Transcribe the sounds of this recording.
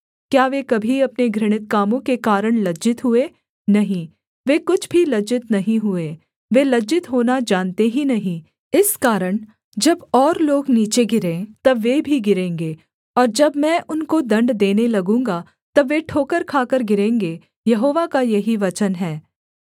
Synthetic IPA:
kjaːʋekɐbʱiɐpneɡɾɪɽ̃ɪt̪kaːmõkekaːɾəɽ̃lɐd͡ʒɪt̪ɦʊe | nɐɦĩ | ʋeːkʊt͡ʃʰbʱilɐd͡ʒɪt̪nɐɦĩɦʊeː | ʋelɐd͡ʒɪt̪ɦoːnad͡ʒaːnt̪eɦinɐɦĩ | ɪskaːɾəɽ̃ | d͡ʒɐbɔːɾloːɡniːt͡ʃeɡɪɾẽːt̪ɐbʋeːbʱiɡɪɾẽːŋɡeː | ɔːɾd͡ʒɐbmɛ̃ːʔʊnkod̪ɐ̃ɳɖd̪eːnelɐɡũːŋɡa | t̪ɐbʋːeʈʰoːkəɾkʰaːkəɾɡɪɾẽːŋɡe | jɐɦoːʋakajɐɦiʋɐt͡ʃənɦɛː

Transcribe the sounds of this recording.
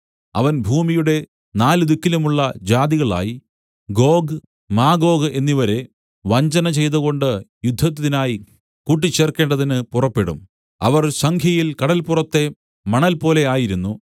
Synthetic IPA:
ɐ̰ʋɐnbʱuːmijuɽe̞ | naːlɨd̪ukːilumuɭːɐd͡ʑaːd̪iɣɐɭa̰ːji | ɡo̞ːɡɨ | maːɡo̞ːɡɨʔe̞nːiʋɐɾe̞ | ʋɐɲd͡ʑɐnɐt͡ɕe̞jt̪ɐɣo̞ɳɖɨjud̪ʱːɐt̪̬ːɐðinaːji | kuːʈ̬ːit͡ɕːe̞ːrke̞ːɳɖɐðinɨpurɐpːe̞ɽṵm | ɐ̰ʋɐrsɐŋkʰjɐjilkɐɽɐlpurɐt̪ːe̞ | mɐɳɐlpo̞ːle̞aːjiɾunːu

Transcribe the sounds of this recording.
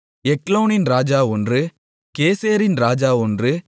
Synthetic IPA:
ɛkloːnɪnɾaːd͡ʒaːɔndrɯ | keːseːɾɪnɾaːd͡ʒaːɔndrɯ

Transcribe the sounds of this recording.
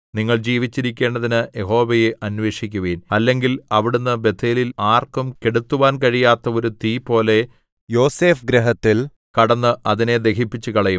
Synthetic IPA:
niŋːɐɭd͡ʑiːʋit͡ɕːiɾikʲːe̞ːɳɖɐðinɨjeɦo̞ːʋɐjɨʔɐnʋe̞ːʂikʲːuʋeːnɐlːe̞ŋɡilɐʋiɽunːɨbe̞t̪ʰːeːlilaːrkɐmke̞ɽut̪ːuʋaːnkɐɻijaːt̪ːɐo̞ɾut̪iːpo̞ːle̞ | jo̞ːseːfɡɾeɦɐt̪ːil | kɐɽɐnːɨʔɐðine̞d̪e̞kʰipːit͡ɕːukɐɭɐjum

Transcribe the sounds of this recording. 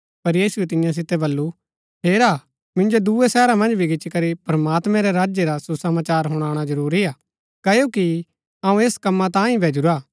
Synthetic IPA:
pɐɾjiːsuet̪ɪ̃jãs̬ɪt̪ɛbɐlːu | ɦeːɾaː | mɪ̃nd͡ʒod̪uesɛːɾãmɐ̃nd͡ʒbʱiɡɪt͡ʃːkɐɾipɾɐmaːt̪mɛ̃ɾɛɾaːd͡ʒjeɾasusɐmaːt͡ʃaːɾɦʊɽ̃aːɽ̃azɐɾuːɾiaː | kɐjoːki | aːũeːskɐmːat̪ãːĩbʱɛːd͡ʒʊɾaː

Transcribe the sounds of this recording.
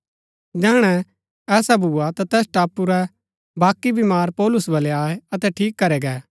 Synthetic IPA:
d͡ʒɛːɽ̃ɛ | ɛːsabʱuːat̪at̪ɛːsʈaːpːuɾɛ | baːkːibimaːɾpɔːlʊsbɐlɛaːeɐt̪ɛʈʰiːkːɐɾɛɡɛː

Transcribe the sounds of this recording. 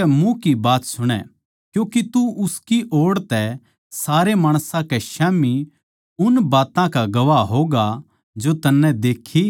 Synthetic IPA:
ɛmũkibaːt̪sʊɽ̃ɛ̰ | kjũːkit̪uʔʊskiʔoːɽt̪ɛ | saːɾemaːɽ̃sãkɛʃɛːmi | ʊnbaːt̪ãkaɡɐʋaɦoːɡa | d͡ʒot̪ɐnːɛ̃d̪eːkʰːi

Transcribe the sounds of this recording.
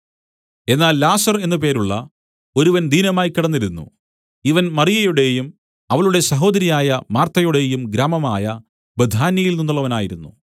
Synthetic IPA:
e̞nːaːlːaːsɐre̞nːup̬e̞ːɾuɭːɐ̰ | o̞ɾuʋɐnd̪ʱiːnɐmaːjkːiɽɐnːiɾunːṵ | iʋɐnmɐrijɐjuɽe̞jum | ɐʋɐɭuɽe̞sɐɦo̞ːd̪ɐɾijaːjɐmaːrt̪ːɐjuɽe̞ːjumɡɾaːmɐmaːjɐ | bed̪ʱaːnjɐjilninːuɭːɐʋɐnaːjiɾunːu

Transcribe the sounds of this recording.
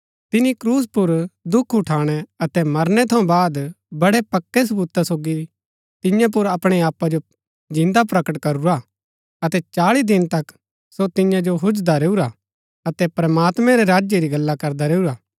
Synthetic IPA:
t̪ɪnikɾuːs̬pʊɾd̪ʊkʰʊʈʰaːɽ̃ɛɐt̪ɛmɐɾnɛt̪ʰɐ̃ũbaːd̪ | bɐɽɛpɐkːɛsɐbuːt̪asoːɡi | t̪ɪjãp̬ʊɾɐpɽ̃ɛaːpːad͡ʒo | d͡ʒɪ̃nd̪apɾɐkəʈkɐɾuɾa | ɐt̪ɛt͡ʃaːɭid̪ɪnt̪ɐk | sot̪ɪ̃jãd͡ʒoɦʊd͡ʒd̪aɾeːuɾa | ɐt̪ɛpɾɐmaːt̪mɛ̃ɾɛɾaːd͡ʒjeɾiɡɐlːakɐɾd̪aɾeːuɾaː

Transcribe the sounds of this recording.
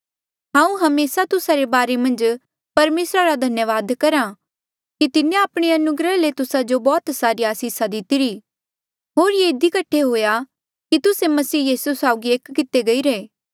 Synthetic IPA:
ɦãːũɦɐmeːsat̪ʊsaɾebaːɾemɐ̃nd͡ʒ | pɐɾmeːsɾaɾad̪ʱɐnjəʋaːd̪kɐɾa | kit̪ɪnẽaːpɽ̃eɐnʊɡɾəlet̪ʊsad͡ʒobɔːt̪saːɾiaːsiːsad̪ɪt̪ɪɾi | ɦoːɾjeɪd̪ikɐʈʰːeɦoːja | kit̪ʊsemɐsiːjiːsusaːʊɡieːkkɪt̪eɡɐiɾeː

